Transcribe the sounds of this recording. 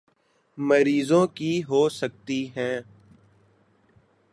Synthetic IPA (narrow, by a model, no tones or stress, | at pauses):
məɾiːzõkiɦoːsək̚t̪iɦɛ̃ː